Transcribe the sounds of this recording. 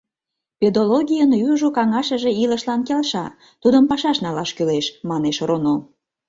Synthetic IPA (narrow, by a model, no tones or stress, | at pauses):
pʲed̪oloɣʲijənjuʒokɑŋɑʃə̆ʒeiləʃlɑnkelʃɑ̰ | t̪ud̪əmpɑʃɑʃnɑlɑʃkyleʃmɑneʃrono